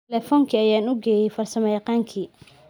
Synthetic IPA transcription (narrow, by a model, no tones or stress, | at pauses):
lɛfɔŋkʰiːɐjaːnʊɡɛːjɛjfɐrsɐmɛjɑqɑːŋkʰiː